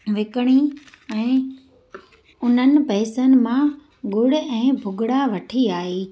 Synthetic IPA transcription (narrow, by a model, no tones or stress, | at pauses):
ʋɪkɽ̃i | ɛ̃ː | ʊn̤ənɪ̆pɛːsənɪ̆mã | ɡʊɽ̆ɛ̃ːbʱʊɡʱɽaʋɐʈʰiaːɦeː